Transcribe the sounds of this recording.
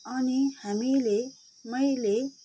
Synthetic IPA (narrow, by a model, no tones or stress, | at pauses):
ʌnihamile | mʌjle